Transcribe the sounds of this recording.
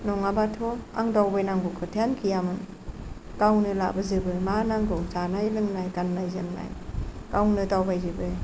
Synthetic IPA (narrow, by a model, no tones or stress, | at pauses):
nɔŋabatʰɔa̰ŋdawbajnaŋɡɔkʰɯtʰenkʰijamɯn | kawnɯla̰ʔbɯzɯbɯmanaŋɡɔzanajlɯŋnajkanːajzɯŋna̰jkawnɯtawbajzɯbɯ